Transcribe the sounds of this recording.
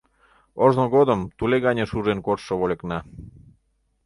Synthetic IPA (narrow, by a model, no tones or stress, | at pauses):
oʒnoɣod̪əmt̪uleɣɑnʲeʃuʒenkorʃoβoleknɑ